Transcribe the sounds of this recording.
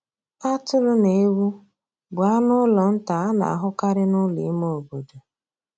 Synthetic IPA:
a˦tʊ˦ɾʊ˦ne˨e˦wu˦ | bʊ˨a˦nʊ˦lɔ˨n̩˦ta˨a˦na̰˨a˨ɦʊ˦ka˦ɾɪ˦nʊ˦lḭ˨˦mo˦o˨bo˨do˨

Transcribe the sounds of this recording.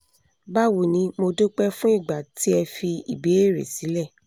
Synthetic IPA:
ba˦˨wo˨nĩ˨˧˦mo˧do˦k͡pɛ˦fũ˦i˦˨ɡ͡ba˨ti˦ɛ˧fi˧ḭ˨be˨˦e˦˨ɾḛ˨si˨˦lɛ˦˨

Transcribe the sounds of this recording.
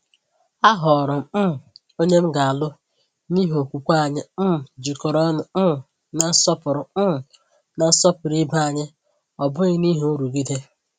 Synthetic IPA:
a˦ɦɔ˨ɾɔ˨m˨m̩˦˨ | o˦ɲe˦m̩˦ɡa˨a˨lʊ˦ | ni˦ɦo˨kʷu˨kʷa˦a˨ɲɪ˦m̩˦m̩˨d͡ʒi˨kɔ˨ɾɔ˦nʊ˨m̩˦˨ | na˨n̩˦sɔ˦pʊ˨ɾʊ˨m̩˦˨ | na˨n̩˦sɔ˦pʊ˨ɾi˦ba˦a˨ɲɪ˦ | ɔ˨bʊ˦ɣɪ˦ni˦ɦe˦u˦ɾu˨ɡi˦de˦

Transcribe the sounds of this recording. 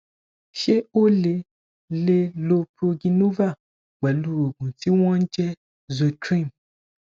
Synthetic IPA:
ʃe˦o˦le˧ | le˦lo˧pɾo˧ɡĩ˧nũ˦va˦˨ | ɡ͡bɛ˨lu˦˨ɾo˨ɡũ˨ti˨˦w̃ɔ̃˦n̩˦d͡ʒɛ˦ | zo˨tɾĩ˦˨m

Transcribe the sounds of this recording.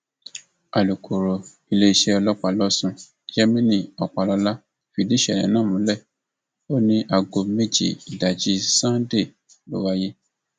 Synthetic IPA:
a˨lu˨ko˨ɾo˨ | i˧le˦i˧˦ʃe˦ɔ˧lɔ˦k͡pa˨lɔ˦sũ˧ | d͡ʒɛ˦mĩ˦nĩ˦˨ɔ˨k͡pa˨lɔ˧˦la˦ | fi˨˧˨di˦ʃɛ˦˨nɛ̰̃˨nã˦˨mũ˨˦lɛ˦˨ | o˦nĩ˦ʔa˧ɡo˧me˦˨d͡ʒḭ˨i˨da˨d͡ʒi˨˦sã˦de˦˨ | lo̰˦wa˦je˦

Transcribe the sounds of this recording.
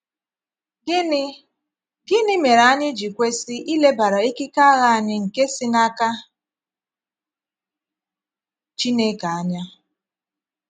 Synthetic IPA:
ɡɪ˦nɪ˦me˨ɾa˨a˦ɲɪ˦d͡ʒi˨kʷe˦si˦ʔi˦le˦ba˨ɾa˨i˦ki˦ka˦a˦ɣa˦a˨ɲɪ˦ŋ̩˨ke˦sɪ˦na˦ka˦ | t͡ʃi˦ne˦ka˨a˦ɲa˦

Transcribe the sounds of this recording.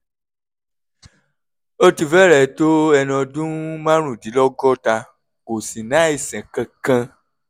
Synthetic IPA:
o˦ti˧fɛ˦ɾɛ˦˨to˦ɛ˧nɔ̃˧dũ˦mã˦ɾ̃ũ˦˨di˨˦lɔ˦ɡɔ˦ta˧ | ko˨sĩ˨nã˨˦e˦˨sɛ̃˨kã˧kã˧

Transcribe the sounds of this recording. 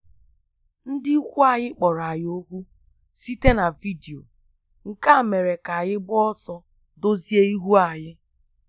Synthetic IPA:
n̩˦dɪ˦kʷu˦a˨ɣɪ˦k͡pɔ˨ɾa˨jo˦kʷu˦ | si˦te˦na˨vi˦di˨o̰˨ | ŋ̩˨ka˦˨me˨ɾe˨ka˨jɪ˦ɡ͡bɔ˦sɔ˦ | do˦zi˦e˦i˦ɦu˦a˨ɲɪ˦

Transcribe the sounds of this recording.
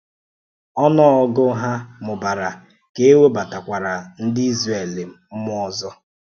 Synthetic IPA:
ɔ˦nɔ˦ɔ˦ɡʊ˦ɦa˦mʊ˨ba˨ɾa˨ | ke˦e˦we˦ba˨ta˨kʷa˨ɾa˨n̩˦dɪ˦i˦zre˨le˨m̩˦m̩˦mʊ˦ɔ˨zɔ˦

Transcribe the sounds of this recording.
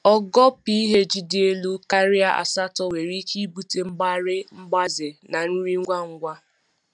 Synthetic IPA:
ɔ˦ɡɔ˦pi˦i˦ɦe˦d͡ʒi˦dɪ˦e˦lu˦ka˦ɾi˦a˦ʔa̰˨sa˦tɔ˦we˨ɾi˦kʰi˦bu˦te˨m̩˦ɡ͡ba˦ɾɪ˦m̩˦ɡ͡ba˦zɪ˨na˨n̩˦ɾi˦ŋ̩˦ɡʷa˦ŋ̩˦ɡʷa˦

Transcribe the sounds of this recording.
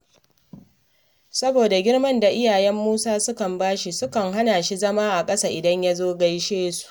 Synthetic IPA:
sɐ˦boː˨da˨ɡʲɪ˦ɽmɐ˦nda˨ʔɪ˦jaː˨jɛ˦mːuː˦saː˦sʊ˦kɐ˨mbaː˦ʃi˦sʊ˦kɐ˨ŋɦa˦naː˨ʃi˦zɐ˦maː˦ʔa˨kʼɐ˦saː˦ʔɪ˨dɐ˦ɲja˦zoː˦ɡa˦jʃeː˦su̥˨ʔʔ

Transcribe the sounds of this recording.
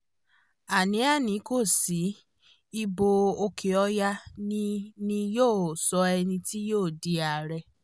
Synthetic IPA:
a˨nĩ˨˦a˦˨nĩ˨˦ko˦˨si˨˦ | i˧bo˧o˧kʰe˨ɔ˧˦ja˦nĩ˦nĩ˧joː˦˨sɔ˧ɛ˧nĩ˧ti˦joː˦˨di˧a˨ɾɛ˧

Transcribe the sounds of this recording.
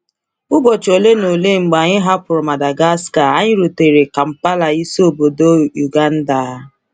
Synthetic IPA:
ʊ˦ɡɔ˨t͡ʃo˨le˦no˨le˦ŋ͡m̩˨ɡ͡ba˨ɲɪ˦ɦa˦pʊ˨ɾʊ˨ma˨da˨ɡa˦ska˨a˦ɲɪ˦ɾo˨te˨ɾe˨ka˨m̩˦pa˦la˨i˦so˦o˨bo˨do˦u˨ɡa˦n̩˦da˨˦

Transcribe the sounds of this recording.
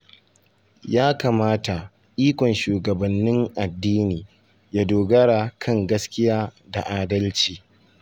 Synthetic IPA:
jaː˦kaː˨maː˦ta˨ | ʔiː˦kʷɔ˨nʃuː˨ɡɐ˨bɐ˨nːɪ˦ŋʔa˨dːiː˦niː˨ | ja˦doː˨ɡɐ˦ɽa˨kʰɐ˦ŋɡɐ˦skʲɪ˦jaː˦da˨ʔaː˨dɐ˦lt͡ʃiː˨

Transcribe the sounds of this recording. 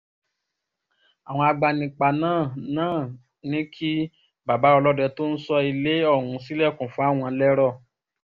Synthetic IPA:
a˨w̃ɔ̃˧a˧ɡ͡ba˧nĩ˧k͡pa˧nãː˦˨nãː˦˨ | nĩ˦kʰi˦ | ba˨ba˨˦ɔ˧lɔ˦dɛ˧to˦n̩˦sɔ˧i˧le˦ɔ˦˨hũ˧si˦lɛ˦˨kũ˨fũ˦a˦˨w̃ɔ̃˧lɛ˦ɾɔ˦˨

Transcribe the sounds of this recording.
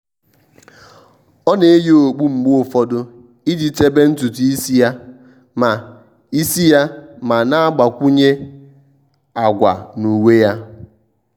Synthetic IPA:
ɔ˦ne˨e˦jo˨ɡ͡bu˦ŋ͡m̩˨ɡ͡bo˨fɔ˦dʊ˦ | i˦di˨te˦be˦n̩˦tu˨tu˨i˦si˦ja˦ | ma˨ | i˦si˦ja˦ma˨na˦a˦ɡ͡ba˨kʷu˦ɲe˦ | a˨ɡʷa̰˨nu˨we˦ja˦

